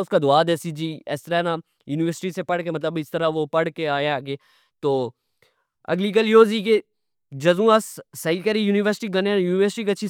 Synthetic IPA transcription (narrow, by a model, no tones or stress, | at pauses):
ʊskad̪ʊaːd̪eːsid͡ʒiːɛ̰st̪əɾaɦna | juːnɪʋəɾsɪ̥ʈisepɐɽkemɐt̪̬ləbɪst̪əɾaʋopɐɽ̤keaːjaɡeː | t̪oː | ɐ̰ɡlikəljoːzike | d͡ʒɐzũːasːɐikəɾijuːnɪʋəɾsɪ̥ʈiɡɐnjuːnɪʋəɾsɪʈikɐtːʃʰi